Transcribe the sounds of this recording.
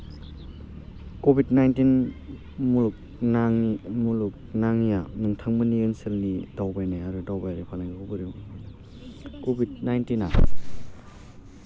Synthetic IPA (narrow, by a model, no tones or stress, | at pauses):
kobit̚najntin | muluk̚ | naŋmuluk̚naŋjanɯŋtʰaŋmɯniɯnselnidawbajnajaɾɯdawbajɾɯpʰalaŋowbɯɾimn | kobid̚najntina